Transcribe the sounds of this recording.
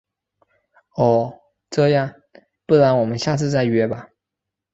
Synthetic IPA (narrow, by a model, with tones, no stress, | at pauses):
ɔ˥˩ | ʈ͡ʂɤ˥˧jɑ˥˩ŋ | pu˥˩la˧˥nwɔ˨˩mə˦nɕja˥˧t͡sʰɹ̩˥˧t͡sa˥˩ɪɥɛ˥ba˧